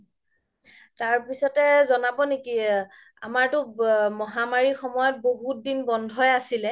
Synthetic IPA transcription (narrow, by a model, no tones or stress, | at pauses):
taɹpisɔtɛzɔnabɔneki | a̰maɹtʊmɔɦamaɹixɔmɔjɔt̚boɦut̚dinbɔndʱɔjasilɛ